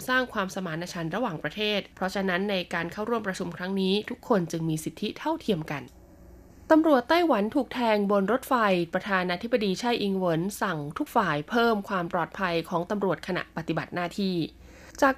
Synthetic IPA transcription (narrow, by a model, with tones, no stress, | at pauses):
saː˥˩ŋkʰwaː˧msa˧maː˩˦nːa˧t͡ɕʰa˧nɾa˧waː˨˩ŋpɾa˧t̪ʰeː˥˩t̪̚pʰɾɔ˦˥t͡ɕʰa˧na˦˥nːa˧jkaː˧nkʰa˥˩wɾu˥˩əmpɾa˧t͡ɕʰu˧mkʰɾa˦˥ŋniː˦˥t̪ʰu˦˥kʰːo˧nt͡ɕɯ˧ŋmiː˧si˨˩t̪ʰːi˦˥t̪ʰa˥˩wt̪ʰi˧əmka˧n | t̪a˧mɾu˨˩ət̪ːa˥˩jwa˩˦nt̪ʰuː˨˩k̚t̪ʰɛː˧ŋbo˧nɾo˦˥t̪̚fa˧jpɾa˧t̪ʰaː˧naː˧t̪ʰi˦˥ba˧diː˧t͡ɕʰa˥˩jʔi˧ŋwo˩˦nsa˨˩ŋt̪ʰu˦˥k̚faː˨˩jpʰɤː˥˩mkʰwaː˧mpɾɔː˨˩t̪̚pʰa˧jkʰɔː˩˦ŋt̪a˧mɾu˨˩ət̪̚kʰa˧na̰˨˩ʔpa˨t̪i˨˩ba˨˩t̪̚naː˥˩t̪ʰiː˥˩ | t͡ɕaː˨˩k̚